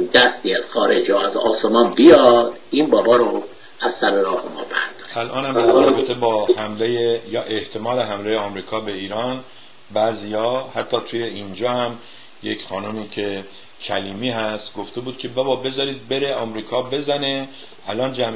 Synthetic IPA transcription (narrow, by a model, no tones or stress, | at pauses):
d̪æst̪iːæz̥xɒːɾed͡ʒɾoæzɒːsemɒːnbijɒd̪̥iːnbɒːbɒːɾo | æzsæɾeɾɒːhemɒ̰ːbæ̰ɾd̪ɒɾeælʔɒːnhæmd̪æɾɒːbet̪ʰe̞bɒːhæmlejejɒːʔe̞ht̪ʰe̞mɒːleɦæmlejeɒːmɾiːkʰɒːbe̞iːɾɒːn | bæziːjɒːhæt̪ʰːɒːt̪ʰuje̞iːnd͡ʒɒːhæm | jecχɒːnomiːcʰe | cʰæliːmiːɦæst̪ɡo̞ft̪e̞buːd̪̥̚cʰe̞bæbɒːbe̞zɒːɾiːd̪̚be̞ɾeɒːmɾiːkʰɒːbe̞zæne̞ | ælɒːnd͡ʒæm